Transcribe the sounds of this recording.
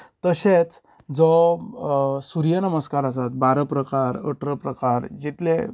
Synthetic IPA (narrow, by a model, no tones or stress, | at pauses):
t̪əɕet͡s | d͡zɔ | suɾijənəməskaɾəs̬at̪̚baɾəpɾəkaɾə̰ʈʰɾəpɾəkaɾd͡ʑit̪le